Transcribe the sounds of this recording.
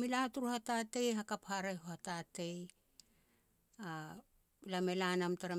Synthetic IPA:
milatuɾuhatate̞jɦakaphaɾeɦohatate̞j | a | lame̞lanamtaɾa

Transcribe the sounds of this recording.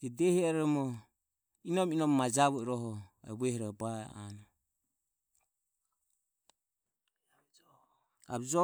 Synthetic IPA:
d͡ʒɛdɛhiaɾɛmɔ | inɔminɔmmad͡ʒaβɔɛɾɔɦɔɛ̰βɛhiɾɔba̰a̰nɔ | a̰βd͡ʒɔ

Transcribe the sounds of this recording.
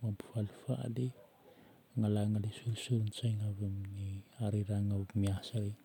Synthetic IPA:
wampi̥falfa̰ʔle | ŋalaŋalisuɾsuɾnt͡ʃajŋaβemniaɾeɾaŋamiasaɾe

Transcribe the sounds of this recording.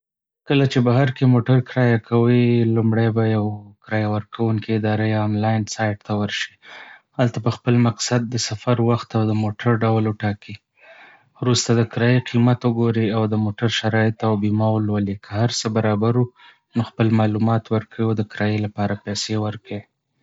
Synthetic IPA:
kəlat͡ʃebaɦaɾkemoʈaɾkɾɑjakʰawilumɽajbajawkɾɑjawəɾkʰawuŋkiɪd̪ɑɾejːmlɑjɪnsɑjɖt̪awəɾʃihalt̪abaxpəlmaqsad̪̚ːəsafaɾwaxt̪awd̪əmoʈʰaɾɖawlwəʈɑki | wɾust̪ad̪əkɾɑjeqʰimat̪wəɡoɾiawd̪əmoʈaɾʃaɾɑjɪt̪awbimɑwəlwəlikʰəhaɾsəbaɾɑbaɾu | noxpəlmɑlumɑt̪wəɾkəwiawd̪əkɾɑjelapɑɾapajsewəɾki

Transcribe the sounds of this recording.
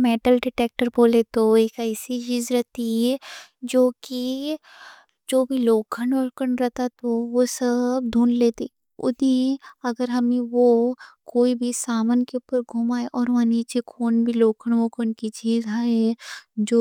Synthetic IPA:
meːʈəlɖɪʈeːk̚ʈəɾboːlet̪oekɛɪsit͡ʃiːzɾɛɦt̪iɦɛd͡ʒoːki | d͡ʒoːbʱiloːkʰəɳʋokəɳɾɛɦt̪at̪oʋosɐb̚d̪ʱuːnleːt̪i | ʊ̰eɐɡəɾɦɐmẽʋokoːibʱisaːmənkeʊpəɾɡʱumaːeʔɔːɾʋaniːt͡ʃekʰoːnbʱiloːkʰəɽʋoːkʰənkit͡ʃiːzɦaːɛd͡ʒoː

